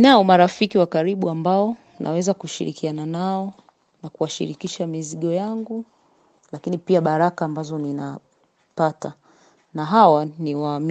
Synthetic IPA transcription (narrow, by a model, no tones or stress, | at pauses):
naɔmaɾafikiwakaɾiɓuambaɔ | nʔa̰wɛzakuʃḭɾḭkiananaɔ | nakuwaʃḭɾikiʃamiziɠɔjaŋɡu | lakinipiaɓaɾakaːmbazɔnina | pata | naɦawaniwaːm